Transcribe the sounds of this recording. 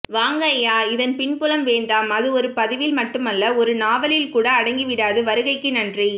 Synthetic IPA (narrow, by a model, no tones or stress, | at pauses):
ʋaːŋɡɐjaːɪðɐnpɪɳpʊlɐmʋeːɳɖaːmɐðɯɔɾɯpɐðɪʋɪlmɐʈːɯmɐlːɐɔɾɯnaːʋɐlɪlkuːɽɐːɽɐŋɡiʋɪɽaːðɯʋɐɾɯɣɐɪkːɯnɐndri